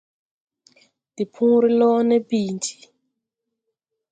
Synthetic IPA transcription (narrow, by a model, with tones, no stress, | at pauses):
di˨pʰu˦ɾi˦lɔ˦ne˦piː˨nd͡ʒi̥˨